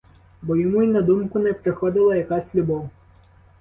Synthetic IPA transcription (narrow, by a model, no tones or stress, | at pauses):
bɔjɔmuinɐd̪umkʊnɛpɾɪxɔd̪ɪlˠɐjɐkasʲlʲubɔw